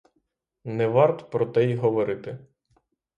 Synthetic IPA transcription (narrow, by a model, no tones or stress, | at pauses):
nɛʋɑrt̪ɔ̥pɾɔt̪ɛjɦɔʋɔɾɪt̪ɪ